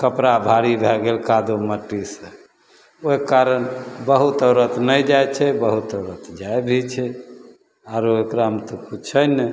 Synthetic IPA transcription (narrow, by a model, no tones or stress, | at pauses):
kəpɾabʱaɾibʱɛɡelkad̪oməʈːisə̃ | oekaɾənbəɦut̪əʊɾət̪nəjd͡ʒajt͡ʃʰɛbəɦut̪əʊɾət̪d͡ʒaebʱit͡ʃʰɛ | aɾoekɾaɦəmt̪oput͡ʃʰəjnɛ